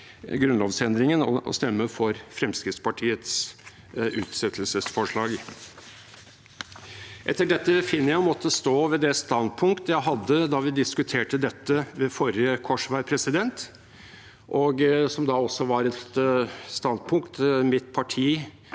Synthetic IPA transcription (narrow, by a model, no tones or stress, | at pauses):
ɡɾʉnlɔːʋsɛnd̪ɾɪŋənɔ̰ɔ̰st̪ɛmːəfɔɾfɾɛmskɾɪtspɑʈʰiːət̪s | ʉːt̪sɛt̪ʰəlsəsfɔʂɭɑːɡ | ʔɛ̰t̪ːəɖɛt̪ːəfɪnːəjæɪmɔt̪ʰːəst̪oːʋɛd̪ɛst̪ɑnd̪̚pʰʊŋkt̪əjæɪɦɑd̪ːəd̪ɑʋɪd̪ɪskʉt̪ʰeːʈəd̪ɛt̪ːəʋɛfɔɾjəkʰɔʂʋæɪpʰɾɛsɪd̪ɛnt̪ | ʔɔɡsɔmd̪ɑɔsːɔʋɑɾɛt̪st̪ɑnd̪̚pʰʊŋkt̪mɪt̪̚pʰɑʈʰiː